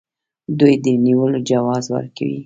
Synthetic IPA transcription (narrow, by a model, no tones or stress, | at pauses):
d̪ujd̪əniwəlod͡ʒawɑzwə̰ɾka̰wḭ